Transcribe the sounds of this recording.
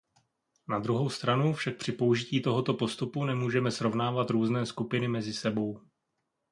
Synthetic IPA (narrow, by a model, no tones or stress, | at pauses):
nad̪ɾuɦo̞wst̪ɾanufʃak̚pr̝̥ɪpo̞uʒɪciːt̪o̞ɦo̞t̪o̞po̞st̪upunɛmuːʒɛmɛsɾo̞vnaːvat̪ɾuːznɛːskupɪnɪmɛzɪsɛbo̞w